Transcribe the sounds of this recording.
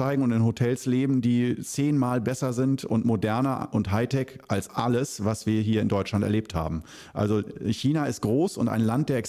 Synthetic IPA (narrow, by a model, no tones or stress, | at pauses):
aɪɡŋ̩ʊntɪnhotʰɛlsleːbm̩diːt͡seːnmaːlbɛsɐzɪntʊ̰ntmodɛɐnɐʔʊntɦaɪtʰɛkʔalsʔa̰ləsvasv̥iːɐɦiːɐɪndɔʏt͡ʃlantɛ̰ɐleːp̚tha̰ːbm̩ | ʔa̰lzoçiːnaɪst̚ɡ̥ʁoːsʊnta̰ɪnlant̚d̥eːɐɛks